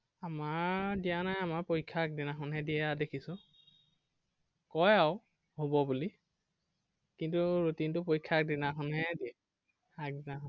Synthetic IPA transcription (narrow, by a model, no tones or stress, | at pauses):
amaɹdijanajamaɹpojkʰːak̚dinaxɔnɦɛdiɛadekʰisʊ̃ | kɔjaʊ | hobɔbuli | kintuɹotintʊpojkʰːak̚dinaxɔnɦɛdiɛ | ak̚dinaxɔn